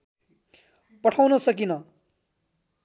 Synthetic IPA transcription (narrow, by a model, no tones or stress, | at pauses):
pʌʈʰawnʌsʌkinʌ